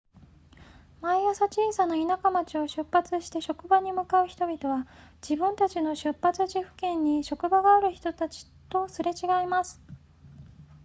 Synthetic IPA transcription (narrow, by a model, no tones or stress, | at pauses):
maiasat͡ɕiːsanainakamat͡ɕio̞ɕɨpːat͡sɨɕi̥t̪e̞ɕo̞kɯ̟baɲ̟imɯ̟kaɯ̟çi̥t̪o̞bʲit̪o̞βad͡ʑibɯ̟̃nt̪at͡ɕino̞ɕɨpːat͡sɨʑiɸɯ̟̥kẽ̞ɲ̟ːiɕo̞kɯ̟baɡaːɾɯ̟çi̥t̪o̞t̪at͡ɕi̥t̪o̞sɨɾe̞t͡ɕiɡaimasɨ̥